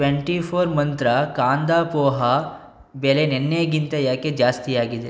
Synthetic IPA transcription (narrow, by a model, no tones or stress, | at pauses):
ʋeɳʈipʰoːɾmɐnt̪ɾɐkaːnd̪aːpɔːɦa | belenenːejɐɡint̪ɐjaːked͡ʒaːst̪iaːɡid̪e